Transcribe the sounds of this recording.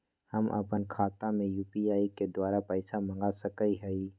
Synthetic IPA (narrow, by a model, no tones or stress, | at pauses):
həmʔə̰pənkʰaːt̪ãmẽjuːpiaːiked̪waːɾapəɪsamə̃ŋɡasəkəiɦəi